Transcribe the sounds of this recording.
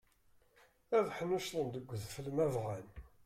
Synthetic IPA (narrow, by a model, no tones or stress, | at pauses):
æðħənuʃðˤənd̪əɡʷːðfəlmævʁæn